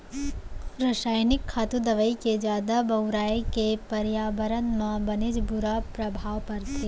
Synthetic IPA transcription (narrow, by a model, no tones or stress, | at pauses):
ɾɐʃaːjnɪkʰːaːt̪ud̪ɐʋəiked͡ʒjaːd̪abɐwɾaːekepɐɾjaːbəɾənmãbɐnid͡ʒbʊɾapɾɐbʱaːʋpɐɾt̪ʰi